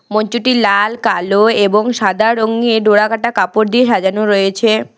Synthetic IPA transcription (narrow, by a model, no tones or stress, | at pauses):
mɔɲt͡ɕuʈilalkaloeboŋʃad̪ʱaɾoŋeɖoɽakaʈakapoɾd̪ieʃad͡ʑanoɾɔjet͡ɕʰe